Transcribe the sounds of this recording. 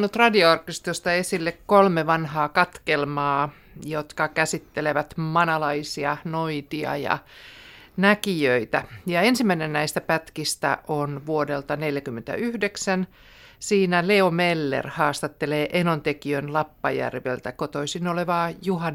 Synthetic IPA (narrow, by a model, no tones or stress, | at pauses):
nut̪rɑdioɑrkist̪ost̪ɑesilːekkolmeʋɑnhɑːkɑt̪kelmɑː | jot̪kɑkæsit̪ːeleʋæt̪mɑnɑlɑisiɑnoit̪iɑ̰jɑ̰ | nækiøit̪æjɑensimːæinennæist̪æpæt̪kist̪æ̰ʔonʋuodelt̪ɑneljækymːent̪æ̰ʔyhdeksæn | siːnæleomelːḛrhɑːst̪ɑt̪ːeleːʔenont̪ekiønlɑpːɑjæ̰rʋḛlt̪ækot̪oisinoleʋɑːjuhɑn